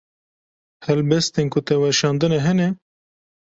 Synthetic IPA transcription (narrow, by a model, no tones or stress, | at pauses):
hɛlbɛst̪enkʰʊt̪ɛwɛɾʃɑːnd̪ɨnɛɦɛnɛ